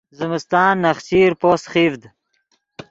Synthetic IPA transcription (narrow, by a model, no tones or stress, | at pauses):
zɪmɪst̪ɑːnːɐχt͡ɕiːɾpoːsχivd̪